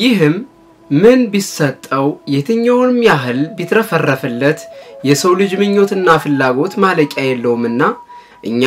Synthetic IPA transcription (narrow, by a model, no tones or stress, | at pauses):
jɪɦɨmː | ɨnbisət̪ʼːəwjɛt̪ʰɨɲːawnɨmjaɦɨlbit̪ɾəfərːəfɨlːət̪jɛsəwlɨd͡ʒmɨɲːo̞t̪ɨnːafɨlːaɡo̞t̪maləkʼajɛlːəhumɨnːa | ʔɨɲːa